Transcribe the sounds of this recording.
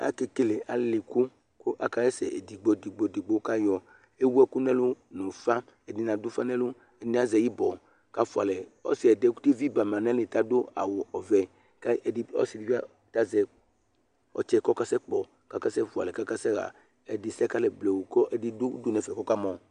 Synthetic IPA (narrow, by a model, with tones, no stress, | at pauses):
a̰˨ke˨ke˦le˨ʔa̰˨lɪ˨ku˦ | kʊ˦ʔa̰˨ka˦jɛ˦sɛ̰˨ʔḛ˨di˨ɡ͡bɔ˨di˨ɡ͡bɔ˨di˨ɡ͡bo˦ka˦jɔ˨ | e˦wu˦ɛ˦ku˦nɛ̃˦lʊ˦nʊ̃˨fa˦ | ɛ˨ni˨˦nã˨dʊ˦fa˦nɛ̃˦lʊ˦ | ɛ˨nɛ˦a˦zɛ˨ji˦bɔ˨ | ka˦fu˨a˨lɛ˨ɔ̰˦si˨ɛ˨dɛ˦de˦vi˦ba˨mã˨nɛ̃˦le˨ta˦dʊ˦a̰˨wo˨ʔɔ˨vɛ˨ | ka˦ɛ˨dɪ˦ɔ̰˦si˨dvi˦a˦ | ta˦zɛ˨ | ɔ̰˨t͡ʃɛ˦kɔ˦ka˦sɛ˦k͡pɔ˨ | ka˦ka˦sɛ˦fu˨a̰˨lɛ˨ka˦ka˦sɛ˦ɣa̰˨ | ɛ˨dɪ˨sɛ˦ka˦lɛ˨blɛ˨wu˨kɔ˦ʔɛ˨dɪ˦dʊ˦dʊ˦nɛ˨fɛ˨kɔ˦ka˦mɔ̃˨